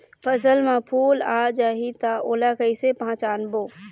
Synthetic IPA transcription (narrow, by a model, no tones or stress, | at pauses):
pʰəsəlmãpʰuːlaːd͡ʒaːɦit̪aoːlakəisepɦãt͡ʃaːnboː